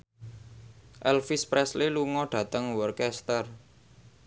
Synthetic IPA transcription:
ʔɛlfispɾɛsleluŋɔɖ̥ä̤t̪əŋwɔrkɛst̪ər

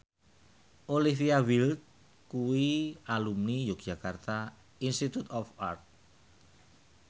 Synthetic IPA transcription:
ʔolifiawilt̪̚ | kuwialumnijok̚d͡ʒ̥a̤kart̪a | inst̪it̪ut̪ɔfart̪̚

